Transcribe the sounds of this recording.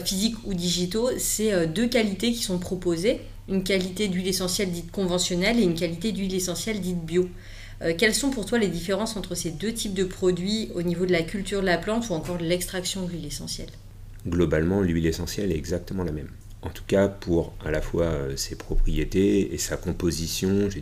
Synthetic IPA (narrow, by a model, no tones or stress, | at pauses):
fizikud̪iʒit̪osɛød̪økalit̪ekʲi̥sɔ̃pχɔpoze | ynkalit̪ed̪ɥilesɑ̃sjɛld̪it̪kɔ̃vɑ̃sjɔnɛleynkalit̪ed̪ɥilesɑ̃sjɛld̪it̪̚bjo | økʲɛlsɔ̃puʁt̪waled̪ifeʁɑ̃sɑ̃t̪χəsed̪øt̪ʰip̚d̪əpχɔd̪ɥionivod̪əlakʲylt̪yʁd̪əlaplɑ̃t̪uɑ̃kɔʁd̪əlɛkst̪χaksjɔ̃d̪əlɥilesɑ̰̃sjɛ̰l | ɡlɔbalmɑ̃lɥilesɑ̃sjɛlɛɛɡzak̚t̪əmɑ̃lamɛm | ɑ̰̃t̪u̥kapʰuʁa̰lafwaøsepχɔpχijet̪eḛsakɔ̃pozisjɔ̃ʒe